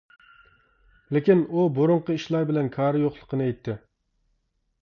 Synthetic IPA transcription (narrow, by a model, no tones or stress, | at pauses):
lɪkʲinuboɾʊɴqəiʃlˠɑɾbɪlɛnkʰɑːɾɨjoχlˠə̥qənɨɛjt̪ʰːɪ